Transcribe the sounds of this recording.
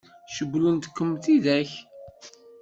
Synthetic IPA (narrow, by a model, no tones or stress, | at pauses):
ʃəɡːlunt̪kːəmt̪iðæç